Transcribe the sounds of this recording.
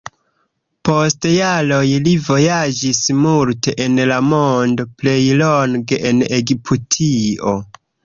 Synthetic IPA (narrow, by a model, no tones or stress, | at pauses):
po̞stjalo̞jlivo̞jad͡ʒismulte̞ʔenlamo̞ndople̞jloŋɡe̞ʔeneɡipʰutʰio̞